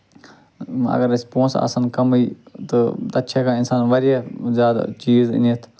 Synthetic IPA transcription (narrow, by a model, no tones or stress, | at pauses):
ɐ̰ɡəɾɪspõːnsa̰ːsankɐmiːt̪ɨt̪ɐtːt͡ʃʰekãːɪnsaːnʋɐɾjezjaːd̪a̰t͡ʃiːz̰net̪ʰ